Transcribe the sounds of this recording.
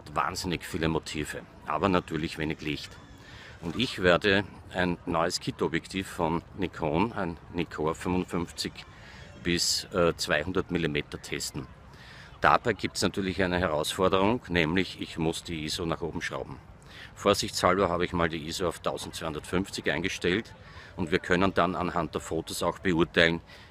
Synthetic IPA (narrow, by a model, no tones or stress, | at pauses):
hatva̰ːnzɪnɪçfiːləmotʰiːvə | ʔa̰ːbɐnatʰyːɐlɪçv̥eːnɪçlɪçt | ʊntɪçv̥eɐdə | ʔæɪnːɔʏəskʰɪtɔbjɛktʰiːfːɔnːikʰoːnæɪnːikʰoɐfʏmvʊnfʏnft͡sɪç | b̥ɪsɛt͡sv̥aɪhʊ̃ndɐtmilimeːtɐtʰɛstn̩ | d̥a̰b̥aɪɡiːp̚tsnatʰyːɐlɪçæɪnəɦɛɐʁaʊsfɔɐdəʁʊŋnɛːmlɪçɪçmʊsd̥iːiːzonaːχoːbm̩ʃʁa̰ʊbm̩ | foːɐzɪçt͡shaɭbɐɦaːbəɪçmaːldiːʔiːzoaʊftʰaʊzn̩t̚t͡sːsvaɪhʊ̃ndɐətfʏnft͡sɪçʔæ̰ɪnɡəʃtɛlt | ʊntv̥iːɐkʰœnəndana̰nɦant̚d̥eːɐfoːtosaʊxb̥əuɐtʰaɪln